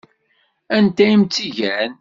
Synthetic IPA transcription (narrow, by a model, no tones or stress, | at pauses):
ænt̪æimt͡sːiʝæn